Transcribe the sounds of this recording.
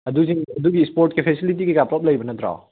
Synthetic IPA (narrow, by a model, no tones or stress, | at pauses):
ɐd̪uziŋɐd̪uɡiːspoɾʈkepʰesilit̬iɡikapɾɔp̚lɐjbɐnɐt̪ɾa̰w